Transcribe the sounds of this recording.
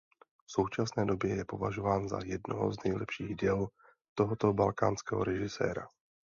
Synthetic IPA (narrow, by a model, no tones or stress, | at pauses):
fso̞wt͡ʃasnɛːdo̞bjɛjɛpo̞vaʒo̞vaːnza̰jɛdnoɦo̰znɛjlɛpʃiːɣdɛl | t̪o̞ɦot̪obalkaːnskɛːɦo̞̰ɾɛʒɪsɛ̰ːɾa̰